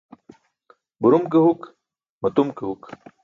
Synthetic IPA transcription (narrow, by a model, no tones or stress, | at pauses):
buɾumkeɦuk | mɐt̪umkeɦuk